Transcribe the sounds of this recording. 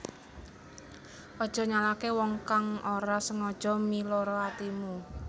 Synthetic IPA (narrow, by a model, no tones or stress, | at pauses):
ʔɔd̥ʒ̥ɔ̤ɲalakewɔŋkaŋoɾasəŋɔd̥ʒ̥ɔ̤milɔɾɔat̪imu